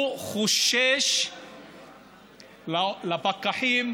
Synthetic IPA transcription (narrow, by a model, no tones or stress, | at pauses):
χuʃeʃ | lalapakaħim